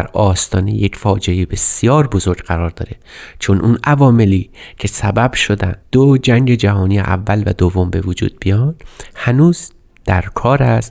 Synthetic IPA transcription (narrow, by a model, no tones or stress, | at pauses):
ɾɒːst̪ɒːnḛjecʰfɒːd͡ʒeebe̞sjɒːɾbo̞zo̞ɾɡɢæɾɒːɾd̪ɒ̰ːɾe̞t͡ʃʰonʔunʔævɒːme̞liːcʰe̞sæbæb̥ʃo̞d̪æ̰nd̪d̪̥od͡ʒæŋɟe̞d͡ʒæɦɒːnijḛʔæ̰vːælvæd̪ovːo̞mbe̞vod͡ʒṵːd̪̚bijɒnd̪̥hænuːz | d̪̥æɾkʰɒːɾæs